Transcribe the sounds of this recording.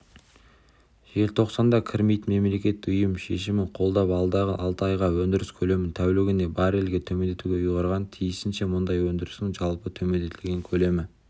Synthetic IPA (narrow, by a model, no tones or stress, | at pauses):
ʒ̥e̞lt̪ʰo̞qsɑnd̪ɑkʲʰɪɾmijt̪me̞mle̞kʲe̞t̪ːɪʊjəmʃe̞ʃɪmɪɴqʰo̞lˠd̪ɑpɑlˠd̪ɑʁəʔɑlˠt̪əɑjʁɑwɵnd̪ɪɾɪskʲʰɵle̞mɪnt̪ʰæwleɡʲɪne̞bɑɾe̞lɡʲe̞t̪ʰɵme̞nd̪et̪uɡʲe̞ujʁɑɾʁɑnt̪ʰijɪsɪnʃe̞mʊnd̪ɑjwɵnd̪ɪɾɪsɪŋʒɑlˠpət̪ʰɵme̞nd̪e̞t̪ʰɪlʲɡʲe̞ŋkʲʰɵle̞mɪ